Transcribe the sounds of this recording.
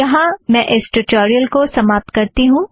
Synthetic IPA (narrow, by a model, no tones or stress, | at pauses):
jɐɦãmɛ̃ːʔɪsʈʊʈoːɾijəlkosɐmaːp̚t̪kɐɾt̪iɦũː